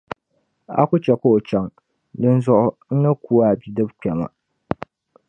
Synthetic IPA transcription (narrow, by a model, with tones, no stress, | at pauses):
a̰˦kʊ˦t͡ʃɛ˨ko˦˨t͡ʃa˦ŋ | dɨ˦n˦zʊ˦ʔʊ˦n̩˦nɨ˦ku˦wa˦˨bi˨dɨ˦bk͡pʲɛ˨ma̰˨